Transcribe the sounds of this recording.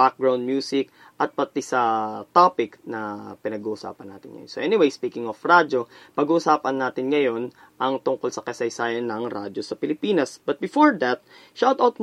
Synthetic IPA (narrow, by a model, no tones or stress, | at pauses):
bak̚ɡɹaw̃nd̪̚mjuːsɪk | ʔɐt̪̚pɐt̪isɐt̪apɪknɐpɪnɐɡuːʔʊsa̰ːpɐnːa̰ːt̪ɪ̰nŋɐ̰jonsoʔɛnɪwejspiːkɪŋofɾad͡ʒo̞pɐɡuːʔʊsaːpɐnːaːt̪ɪnŋɐjo̞n | ʔɐŋt̪ʊŋko̞lsɐkɐsɐjsaːjɐnːɐŋɾa̰d͡ʒosɐpɪlɪpiːnɐsbɐt̪̚bɪfoɹd̪ɐt̪̚ʃawt̪awt̪̚